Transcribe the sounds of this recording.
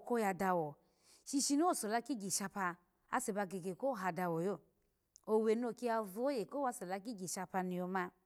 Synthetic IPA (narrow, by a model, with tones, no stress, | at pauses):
ko˦ja˧da˧wɔ˨ | ʃi˧ʃi˧no˦˨so˨la˧˦ki˦ɡi˨ʃa˧pa˧ | a̰˦se˨ba˧ɡe˨ɡe˨ko˦ɦa˨da˧wɔ˨jo˦˨ | o˨we˨n˦o˧˨ki˦a˧vu˦o˦je˨ko˦a˧so˨la˧k̬i˦ɡi˨ʃa˧pa˧ni˨jo˧ma˧